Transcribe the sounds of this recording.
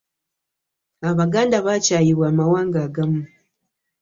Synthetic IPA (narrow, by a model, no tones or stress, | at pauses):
aβaɡaːndaβat͡ʃaːjiβwaːmawaːŋɡaːɡamu